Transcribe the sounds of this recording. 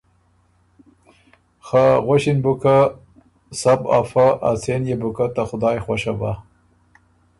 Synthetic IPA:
xaɣwaʃinbʊka | saba̰faʔa̰senjebʊkat̪axʊd̪ɑːjxwaʃaba̰

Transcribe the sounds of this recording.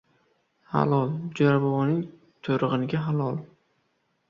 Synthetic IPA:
ha̰lɒlˠd͡ʒaɾabɒvɒnɪŋ | t̪ʰoɾɨʁɨnɪɡʲaɦalˠɒlˠ

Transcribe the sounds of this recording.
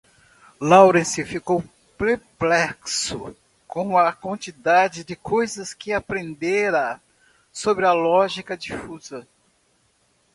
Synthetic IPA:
lawɾẽsɪfikow | peɾplɛksʊ | kõw̃ɐkwɐ̃nt͡ʃid̪ad͡ʒɪd͡ʒɪkojzɐskɪapɾẽnd̪eɾɐ | sobɾɪɐlɔʒikɐd͡ʒifuzɐ

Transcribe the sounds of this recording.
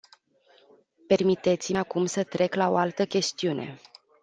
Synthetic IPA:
pe̞rmit̪e̞t̪siakumsət̪ɾe̞klao̞̰alt̪əkʲe̞st̪iune̞̰

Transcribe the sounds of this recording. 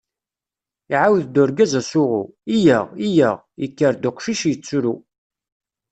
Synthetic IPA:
iʕawðd̪ʊɾɡæzæsʊʁṵijæʁijæʁ | ikːəɾd̪ʊqʃiʃjət͡sːɾu

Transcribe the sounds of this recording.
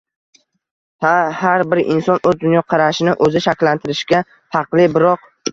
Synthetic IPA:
hahaɾbɪɾɪ̰nsɒnɵzd̪ʊnjɒqʰɑɾaʃɪnɪʔɵzɪʃakʲlant̪ʰɪɾɪʃɡʲa | fɑqlˠɪbɪɾɒq̚

